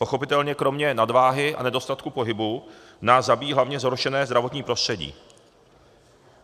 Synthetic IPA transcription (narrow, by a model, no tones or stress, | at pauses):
po̞xo̞pɪt̪ɛlɲɛkɾo̞mɲɛnadvaːɦɪʔa̰nɛdo̞st̪at̪kupo̞ɦɪbu | naːszabiːɦlavɲɛzɦoɾʃɛnɛːzd̪ɾavo̞t̪ɲiːpɾo̞st̪r̥ɛɟḭː